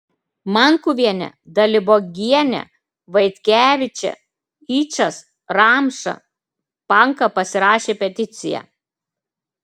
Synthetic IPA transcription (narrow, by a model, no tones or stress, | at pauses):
mɐŋkuʋʲiɛnʲɛ̰d̪ɐlʲɪboːɡʲiɛnʲɛ̰ | ʋɐɪt̪ʲkʲæːʋʲɪt͡ʃʲɛ̰ | iːt͡ʃɐs | ɾɑːmʃɐ̰ | pɐŋkɐpɐsʲɪɾɑːʃʲeːpʲɛt̪ʲɪt̪sʲɪjæ̰ː